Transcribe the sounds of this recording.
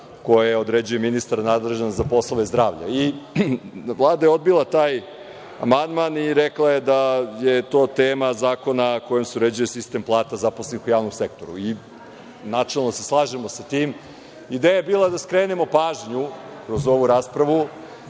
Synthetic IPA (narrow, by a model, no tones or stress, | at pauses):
ko̞jaeo̞d̪ɾed͡ʑuje̞minist̪aɾnaːd̪leʒenzapo̞slˠoʋe̞zd̪ɾaːʋʎa̰i | ʋlˠaːd̪ajeo̞d̪̚bilˠat̪aːj | a̰mand̪maniɾeklˠaje̞d̪aje̞t̪o̞ːt̪eːmazaːko̞nako̞jomseuɾed͡ʑujesist̪e̞mplˠaːt̪azaposlenixujaːʋnomse̞k̚t̪o̞ɾṵi | nat͡ʃalˠno̞se̞slˠaːʒemo̞sat̪iːm | id̪eːjaebiːlˠad̪askɾeːne̞mo̞paːʒɲukɾo̞zo̞ʋuɾaːspɾaʋu